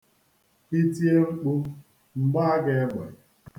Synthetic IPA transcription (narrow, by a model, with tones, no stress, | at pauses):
i˦ti˦e˦ŋ͡m̩˦k͡pu˦ | ŋ͡m̩˨ɡ͡ba˦a˦ɡe˦ɡ͡bɔ̰˨